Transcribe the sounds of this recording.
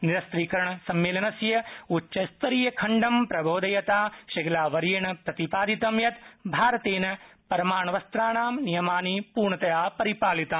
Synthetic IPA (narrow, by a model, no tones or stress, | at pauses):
niɾɐst̪ɾiːkɐɾɐɳɐsɐmːeːlɐnɐsjɐutːʃɐst̪ɐɾijɐkʰɐɳɖɐmpɾɐbʱoːd̪ɐjɐt̪aːʃɐɡɐlaːʋɐɾjɐɳɐpɾɐt̪ipaːd̪it̪ɐmjɐt̪bʱaːɾɐt̪eːnɐpɐɾɐmaːɳɐʋɐst̪ɾaːɳaːmnijɐmaːnipuːɾɳɐt̪ɐjaːpɐɾipaːlit̪aː